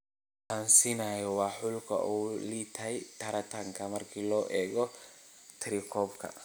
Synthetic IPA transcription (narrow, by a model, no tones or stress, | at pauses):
tʰaːnsiːnajɔwɑːħʊlkʰɐ̰ʔuːliːt̪ʰɐɦɛjt̪ʰɐɾɐt̪ʰaŋkʰɐmɐrkʰiːlɔːʔɛːɣɔt̪ʰɪɾikʰɔːbkʰɐ̰